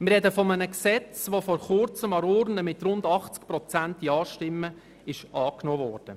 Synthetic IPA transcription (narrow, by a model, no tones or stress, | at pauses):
mɪrɾɛd̪əfɔmənəksɛt͡sʋofɔɾχʊrt͡səmɑɾʊɾnəmɪt̪rʊnd̪ɑχt͡skprɔt͡sænt̪iɑːʃtɪmːə | ɪʃɑːknoːvɔːrd̥ə